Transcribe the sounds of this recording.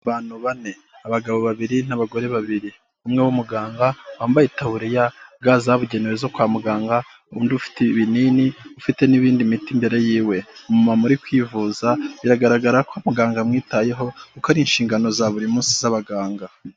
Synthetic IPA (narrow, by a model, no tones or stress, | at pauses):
βaːn̥huβane̞ | aβaɡaβo̞βaβiɾinaβaɡo̞ɾe̞βaβiɾi | umŋewumuɡaːŋɡawaːmbajitaβuɾijab̚ɡaːzaβuɟe̞newezo̞kwaːmuɡaːŋɡa | uuːndiufi̥teβininiufite̞niβiːndimitimbe̞ɾe̞jiːwe̞umumamuɾikwiːvuːzaβiɾaɡaɾaɡaɾakamuɡaːŋɡamŋiːtaje̞ɦo̞kukaɾinʃiːŋɡano̞zaβuɾimuːnsi̥zaβaɡaːŋɡa